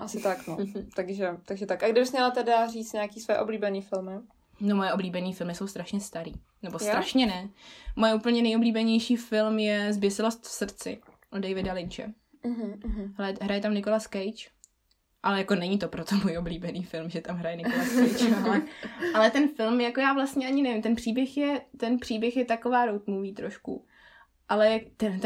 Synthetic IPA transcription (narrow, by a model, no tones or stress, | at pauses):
ʔasɪt̪aknot̪aɡʒɛt̪aɡʒɛt̪akʔaɡdɪbɪsmɲɛlat̪ɛdariːt͡st̪ɲeakiːsvojɛʔobliːbɛniːfɪlmɪ | nomojɛobliːbɛniːfɪlmɪso̞wst̪ɾaʃɲɛst̪aɾḭː | nɛbosɾaʃɲɛnɛmojɛuːpl̩ɲɛnɛjʔobliːbɛɲɛjʃiːfɪlmjɛzbjɛsɪlost̪fsr̩t͡sɪ̰ | ʔodejvɪdalɪnt͡ʃɛ̰ | ɦɛlɛɦɾajɛt̪amnɪko̞laskɛjt͡ʃ | ʔalɛjako̞nɛɲit̪o̞pɾot̪omuːjʔobliːbɛniːfɪlmʒɛt̪amɦɾajɛnɪkkoasɛjt͡ʃlɛalɛt̪ɛnfɪlmjakojaːvlast̪ɲɛaɲɪnɛvɪmt̪ɛnpr̝̥iːbjɛxjɛt̪ɛnpr̥iːbjɛxjɛt̪akovaːɾowt̪muviːt̪ɾoʃkṵ | ʔalɛt̪ɛn